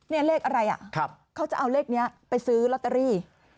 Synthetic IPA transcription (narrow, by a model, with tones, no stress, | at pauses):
ni˦˥˩leː˥˩k̚ʔa˧ɾa˧jʔa̰˨˩ʔkʰp̚kʰa˦˥wt͡ɕa˨˩ʔa˧wleː˥˩k̚ni˦˥ɐpa˧jsɯː˦˥lɔ˦˥t̪ːa˧ɾiː˥˩